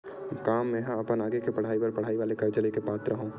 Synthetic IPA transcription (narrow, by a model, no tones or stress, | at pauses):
kaːmːẽɦɐpənaːɡekepɐɽ̤aːipɐɾpɐɽ̤aːiʋaːlekɐɾd͡ʒɐlekepaːt̪ɾəɦũː